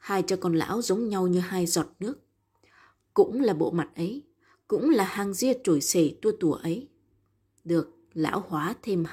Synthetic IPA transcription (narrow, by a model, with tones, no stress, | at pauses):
haː˧jt͡ɕaː˧kɔ˧˩nla̰ː˧˥wzə˨˦wŋ͡mɲa˧wɲɨ˧haː˧jzɔ˨˩t̚nɨ˦˥ək̚ | kʊ̰˧˥ŋ͡mlaː˨˩ɓo̰˧˨ma˨˩t̚ʔə˨˦j | kʊ̰˧˥ŋ͡mlaː˨˩haː˨˩ŋzi˧ət͡ɕo˧˩jse˧˩t̪u˧ət̪u˧˩əʔə˨˦j | ɗɨ˨˩ək̚ | la̰ː˧˥whwaː˨˦t̪ʰe˧m